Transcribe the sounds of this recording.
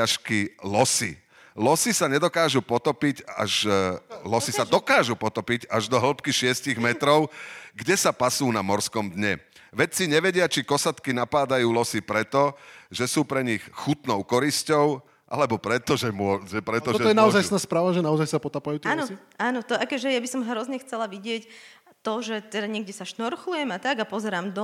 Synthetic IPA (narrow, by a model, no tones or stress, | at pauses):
aʃkilɔsḭ | lɔsisaɲɛd̪ɔkaːʒupɔt̪ɔpica̰ʒlɔsisad̪ɔkaːʒupɔt̪ɔpiɟaʒd̪ɔɦl̩pkiʃɪɛsciɣmɛt̪ɾɔʊɡɟɛsapasuːnamɔɾskɔmd̪ɲɛ | ʋɛt͡siɲɛʋɛɟɪat͡ʃikɔsat̪kinapaːd̪ajuːlɔsipɾɛt̪ɔʒɛsuːpɾɛɲixxut̪nɔʊkɔɾiscɔʊ | ʔa̰lɛbɔpɾɛt̪ɔʒɛmɔʒɛpɾɛt̪ɔɔɛɔjɛnaɔzajnaːspɾaːʋaʒɛnaɔzajsapɔt̪apajuːt̪ɛnɔiʔaːnɔt̪ɔʔakɛʒɛjabisɔmɦɾɔzɲɛxt͡sɛlaʋiɟɪɛc | t̪ɔʒɛt̪ɛd̪aɲɛɡɟɛsaʃnɔɾxlujɛmat̪aɡapɔzɛɾaːmd̪ɔ